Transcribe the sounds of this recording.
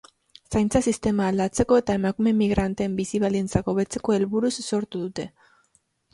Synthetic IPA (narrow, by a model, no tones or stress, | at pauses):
sajnt͡sasist̪e̞maːld̪at͡se̞ko̞e̞t̪ae̞makume̞miɣ̞ɾʔant̪eːmbisiβ̞ald̪int͡sako̞βe̞t͡se̞ko̞e̞lβuɾusːo̞ɾt̪uðut̪e̞